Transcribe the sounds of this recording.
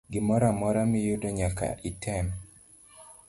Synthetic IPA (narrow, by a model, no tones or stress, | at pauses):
ɡɪmɔɾamɔɾamɪjʊdoɲaka̰ʔitʰɛm